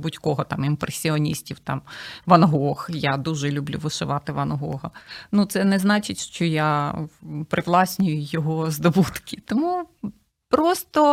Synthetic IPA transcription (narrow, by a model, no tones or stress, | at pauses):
butʲkɔɦɔt̪ɑmimpɾesʲiɔnʲisʲtʲiwt̪ɑmʋɐnɦɔxjad̪uʒɛlʲʊblʲṵʋɪʃɪʋɑt̪ɪʋɐnɦɔ̰ɦɐnut̪sɛnɛznɑt͡ʃɪtʲʃt͡ʃɔja | pɾɪʋlˠɑsʲnʲʊjʊjɔɦɔzd̪ɔbut̪kʰʲɪt̪ɔmu | pɾɔst̪ɔ